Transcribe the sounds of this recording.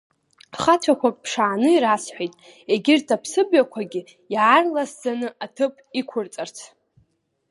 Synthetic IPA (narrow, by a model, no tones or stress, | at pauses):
χat͡ɕʷʰakʷʰappʰʂaːnɨiɾasħʷejtʼ | e̞ɡʲɪrtʰapʰsɨbjakʷʰaɡʲɪ | jarlasd͡zanɨatʰɨpʼikʷʰʊrt͡sʼart͡sʰ